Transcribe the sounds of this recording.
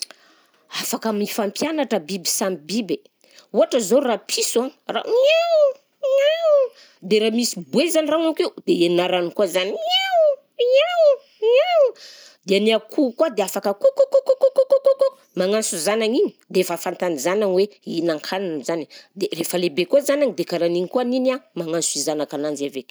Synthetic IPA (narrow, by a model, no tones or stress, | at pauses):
afakaminifampjanaʈ͡ʂəbibisamibibe | uɦaʈ͡ʂəzorapʰisuaŋra̰iaw | d̪eɾamisibuezaniraŋakewd̪̥eeninaɾanikuazanaw | aw | aw | d̪eaniakʰukwad̪eafakəkokokokokokokokoko | maŋansuzanaŋinid̪eefafant̪anizananweinaŋkʰananzani̥d̪erefəlebekozanaŋid̪ekaɾaniŋikoaninamaŋansuizanakananzavek